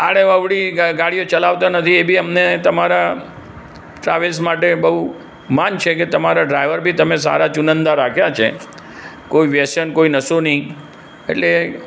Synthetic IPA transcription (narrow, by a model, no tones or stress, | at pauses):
aɽ̃eəʋɽiɡaɽijot͡ʃəlaʋt̪anət̪ʰiebʱiəmnet̪əmaɾa | ʈɾaʋelsmaʈebəɦu | mant͡ʃʰeket̪əmaɾaɖɾajʋəɾbʱit̪əmesa̰ɾat͡ʃunənd̪aɾakʰjat͡ʃʰḛ | koiʋjesənkoinəsoni | ḛʈle